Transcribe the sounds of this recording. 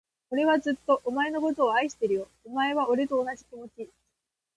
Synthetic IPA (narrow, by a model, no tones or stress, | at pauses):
o̞ɾe̞β̞azɨt̪ːo̞ʔomae̞no̞ko̞t̪o̞ːaiɕi̥t̪e̞ɾɯ̟jo̞ːmae̞β̞ao̞ɾe̞t̪o̞ːnad͡ʑikʲimo̞t͡ɕi